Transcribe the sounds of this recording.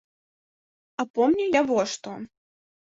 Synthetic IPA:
apɔmnʲujavɔʂt̪ɔ

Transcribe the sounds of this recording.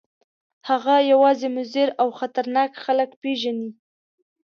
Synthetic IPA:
haɣajawɑzemʊzeɾawxat̪aɾnɑkxaləkpeʒani

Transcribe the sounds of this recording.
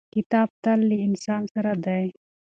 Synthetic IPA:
kit̪aːb̚t̪ɐlːiɪnsaːnsɐɾɐd̪ae

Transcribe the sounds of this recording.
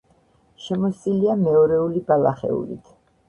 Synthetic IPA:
ʃɛmɔsʼiliamɛɔɾɛulibalaχɛ̰ṵlḭt̪ʰ

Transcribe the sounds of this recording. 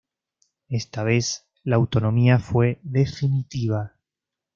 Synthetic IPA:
est̪aβ̞e̞s | laːwt̪o̞nõmiafwe̞ðefinit̪iβ̞a

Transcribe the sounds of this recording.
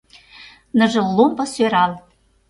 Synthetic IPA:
nɤ̆ʒɤ̆lːompɤ̆søɾɑl

